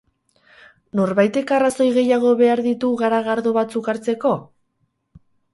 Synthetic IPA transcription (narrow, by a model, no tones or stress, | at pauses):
no̞ɾβajt̪e̞karaso̞jɣe̞jaɣ̞o̞βe̞aɾðit̪uɣaɾaɣaɾðoβat͡sukaɾt͡se̞ko̞